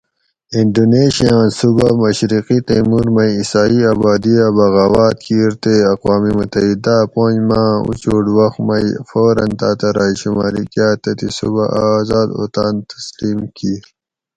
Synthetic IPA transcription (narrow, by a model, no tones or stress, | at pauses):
iɳɖoːneːɕijãːnsubamɐɕɾiqit̪emuɾmɐjisaːiaːbaːd̪iabɐɣaːwaːt̪̚kʰiːɾt̪eɐqwaːmimut̪ɐɦid̪apõːɲd͡ʑmãːṵt͡ɕoːɖwɐxmɐjfoːɾɐ̰nt̪aːt̪ɐɾaːiɕumaːɾikjaːt̪et̪isṵba̰ʔaːzaːd̪o̰ːt̪aːnt̪ɐ̥sliːmkʰiːɾ